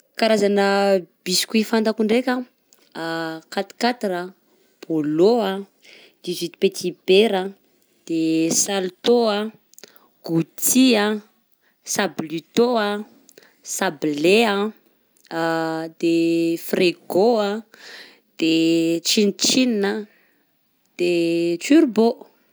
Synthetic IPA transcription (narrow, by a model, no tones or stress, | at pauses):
kaɾazanəb̥isi̥kʲuifant̪akuɳɖ͡ʐekʲə | kat̪i̥kat̪iɾə | b̥oloə | d̪̥izit̪i̥pet̪ʰibeɾə | d̪̥esalt̪oə | ɡ̥ut̪iə | sablit̪oə | sableə | d̪̥efreɡoə | d̪̥et͡ʃint͡ʃininə | d̪̥et͡ʃyɾbo